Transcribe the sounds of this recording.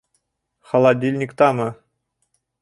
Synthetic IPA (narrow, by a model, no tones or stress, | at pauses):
χɑ̆lˠɑdʲilʲnʲikt̪ɑmɤ̆